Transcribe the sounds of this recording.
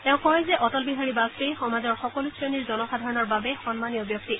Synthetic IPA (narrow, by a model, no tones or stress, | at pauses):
tɛ̃ʊ̃kɔɹjzɛʔɔtɔlbiɦaɹibastejxɔmazɔɹxɔkɔlusɹeniɹzɔnɔxadʱaɹɔnɔɹbabɛxɔnmanijɔbjɔk̚ti